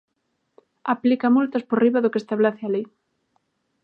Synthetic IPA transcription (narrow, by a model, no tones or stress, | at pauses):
aplikamult̪ɐsporiβaðʊkest̪aβlaθealej